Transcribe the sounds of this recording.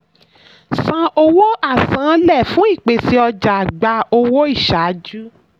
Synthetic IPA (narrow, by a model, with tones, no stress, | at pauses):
sã˧ʔo˧wo˦a˦˨sã˨˦lɛ˦˨fũ˦i˦˨k͡pe˨si˧˦ɔ˧d͡ʒa˨ɡ͡ba˧o˧wo˦i˦˨ʃa˨˦d͡ʒu˦